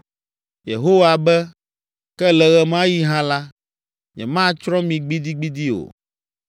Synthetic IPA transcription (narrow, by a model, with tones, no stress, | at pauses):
jḛ˨ɦo˦wa˨bɛ˦ | kɛ˦lɛ˨ɣɛ˦mã˦ji˦ɦã˦la˦ | ɲɛ̰˨mã˦t͡ʃɾɔ̃˦mĩ˨ɡ͡bi˦d̪i˦ɡ͡bi˦d̪i˦o̰˨